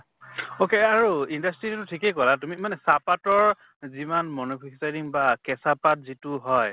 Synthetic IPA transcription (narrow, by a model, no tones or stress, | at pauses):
okeaɹuindastɹitutʊtʰikejkɔlatumimanɛsapatɔɹ | zimanmɔnopʰiksajdiŋbakɛsapat̚zitʊɦɔj